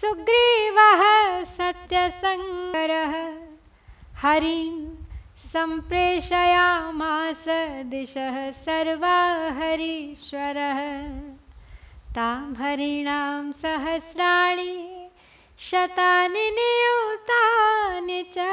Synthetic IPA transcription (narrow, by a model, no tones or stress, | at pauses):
suɡɾiːʋɐɦɐsɐt̪jɐsɐŋɐɾɐɦɐ̆ | hɐɾi | sɐmpɾeːʃɐjaːmaːsɐd̪iʃɐɦɐsɐɾʋaːɦɐɾiʃʋɐɾɐɦɐ | t̪aːmɦɐɾiɳaːmsɐɦɐsɾaːɳi | ʃɐt̪aːninijut̪aːnit͡ʃɐ